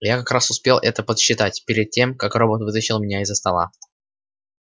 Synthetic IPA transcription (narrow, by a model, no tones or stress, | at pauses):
jakɐkɾasʊspʲelˠʔɛt̪əpət̪ɕːɪt̪atʲpʲɪɾʲɪd̪̚tʲemkakro̞bət̪vɨt̪əɕɪlˠmʲɪnʲaɪzːəst̪ɐlˠa̰